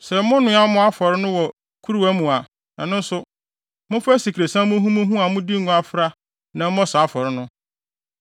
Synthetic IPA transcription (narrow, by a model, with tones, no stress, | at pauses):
sɛ˨mʊ̃˦nʊ̃˦a˦mʊ̃˦a˦fɔ˨ɾɪ˦nʊ̃˦wɔ˨ | kʰu˦ɾu˦æ˦mũ˨a˨ | nã˨nʊ̃˦n̩˦sʊ˦ | mʊ̃˦fæ˦si˨kʰɾe˨sã˦mʊ̃˦ɦũ˦mũ˦ɦũ˦a˨mʊ̃˦di˦ŋ˦ŋʊ̃˦a˨fɾa˦ | nã˨m̩˦mɔ̃˦sa˨a˦fɔ˨ɾɪ˦nʊ̃˦